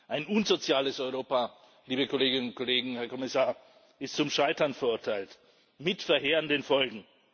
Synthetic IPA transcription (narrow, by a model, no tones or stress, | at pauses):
ʔaɪnʔunzot͡sjaːləsɔʏʁoːpa | liːbəkʰoleːɡɪnʊnt̚kʰoleːɡŋ̩hɛɐkʰɔmɪsaːɐ | ɪstt͡sʊmʃaɪtɐnfɛɐʔʊɐtʰaɪlt | mɪtfɛɐɦeːʁəndənfɔlɡŋ̩